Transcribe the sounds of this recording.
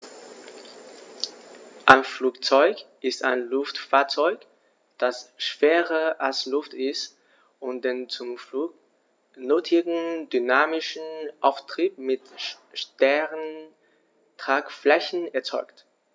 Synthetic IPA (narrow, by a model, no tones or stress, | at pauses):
ʔaɪnfluːkt͡sɔʏkʔɪstaɪnlʊftfaːɐt͡sɔʏk | d̥asʃv̥eːʁəʔalslʊftɪst | ʊnt̚d̥ent͡sʊmfuː | nøːtʰɪɡŋ̩dynaːmɪʃn̩ʔaʊftʁ̥iːp̚mɪt | ʃtɛʁən | tʁ̥aːkflɛçn̩ɛɐt͡sɔʏkt